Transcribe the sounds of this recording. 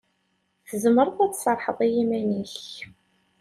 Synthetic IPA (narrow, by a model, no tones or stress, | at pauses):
θəzəməɾˤəθæt͡sːsɑɾˤħəðˤijimæniç